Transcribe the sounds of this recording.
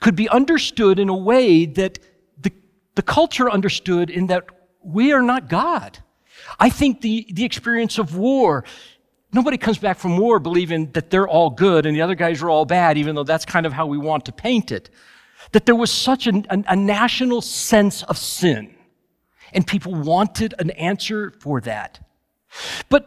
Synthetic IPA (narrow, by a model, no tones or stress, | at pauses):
kʰɨd̚biʔʌ̃ndə˞stʊɾɨ̃nəweɪðɨt̪̚ | ðɨ | ðɨkʰʌlˠt͡ʃə˞ʌ̃ndə˞stʊɾɨ̃nðɨt̚ | wiə˞nət̚ɡ̥ɑd̥ | ʔaɪθɪ̃ŋk̚ðiðiɨkspɪɹiɨ̃nsʌvwɔɹ | noʊbɑɾikʰʌ̃mzbækfɹʌ̃mwɔɹbəlivɪ̃ŋðɨt̪̚ðə˞ʔɔlˠɡʊɾɨ̃nðiʌðə˞ɡaɪzwə˞ɔlˠbæɾivɨ̃n̩ðoʊðætskʰãɪ̃ndʌv̥ɦaʊwiwɑ̃ntʰɨpʰẽɪ̃ntɪ̰t̪̚ | ðɨt̪̚ðə˞wʌz̥sʌt͡ʃɨɨʔɨnæʃɨnl̩ˠsɛ̃nsʌv̥sɪ̃n | ɨ̃npʰipl̩ˠwɑ̃ntʰɨɾɨ̃næ̃nsə˞fə˞ðæ̰t̚ | b̥ʌt̚